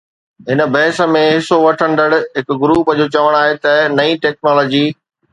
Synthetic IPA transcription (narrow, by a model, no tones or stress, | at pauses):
ɦɪnə̆bʱɐɦɪsə̆mẽɦɪsoʋɐʈʰə̃nd̪əɽɦɪkɡɾuːpəd͡ʑoːt͡ɕɐʋəɽ̃aːɦet̪ɐnɐĩʈɛːk̚nɔːlɔːd͡ʑiː